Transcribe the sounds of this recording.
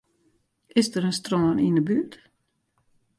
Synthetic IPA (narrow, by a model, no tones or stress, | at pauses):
ɪsdəɾənstrɔːəninəbyt